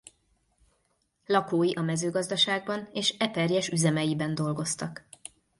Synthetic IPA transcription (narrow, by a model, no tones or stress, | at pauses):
lɒkoːjiʔɒmɛzøːɡɒzd̪ɒʃaːɡ̚bɒneːʃɛpɛrjɛʃyzɛmɛjibɛnd̪o̞lɡo̞st̪ɒk